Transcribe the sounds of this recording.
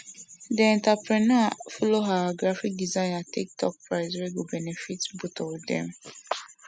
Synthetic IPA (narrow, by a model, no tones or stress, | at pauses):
dəɛ̃ntapɹɛnafɔloɦaɡɹafik̚dizãɪ̃natik̚tʰɔk̚pɹaɪswɛɡobɛnɛfitbutɔdɛ̰̃m